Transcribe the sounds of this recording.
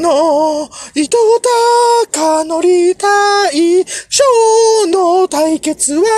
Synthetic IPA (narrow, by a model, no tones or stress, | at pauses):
no | it̪ot̪akanoɾʲit̪aiɕonot̪aike̞t͡sɨβa